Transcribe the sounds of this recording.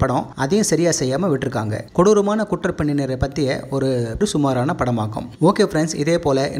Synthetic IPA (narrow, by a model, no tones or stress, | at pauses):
pɐɽɔ̃ɐðɐjʊ̃sɐɾɪjaːsɛjːaːmɐʋɪʈːɪɾɯkːa̰ːŋɡɐ̰kɔɽɯɾɯmaːnɐkʊʈːɐɾpɐɳːineːɾɐɪpɐt̪ːɪjɐ̰ɔɾɯpɾɯsʊmaːɾaːnɐpɐɽɐmaːkɯ̰̃moːkeːfɾɛnsɪ̰ðeːpoːlɐʔɛ̰